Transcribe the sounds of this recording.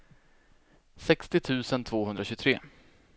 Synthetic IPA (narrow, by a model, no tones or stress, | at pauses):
sɛkst̪ɪt̪ʰʉ̟ːsənt̪ʰvoːhɵnd̪ɾaɕɵt̪ʰɾeː